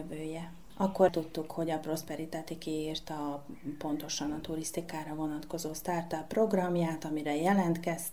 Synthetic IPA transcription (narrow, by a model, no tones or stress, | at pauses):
vøːjɛ | ɒkːo̞rt̪ut̪ːukho̞ɟɒpro̞spɛɾit̪aːt̪ikiːrt̪ɒpo̞nt̪o̞ʃɒnɒt̪uɾist̪ikaːɾɒvo̞nɒt̪ko̞zoːst̪art̪ɒpro̞ɡrɒmjaːt̪ɒmiɾɛjɛlɛnt̪kɛst̪